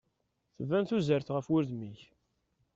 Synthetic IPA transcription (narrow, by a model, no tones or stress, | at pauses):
θəvːænθuzəɾθʁəfwʊɾðmiç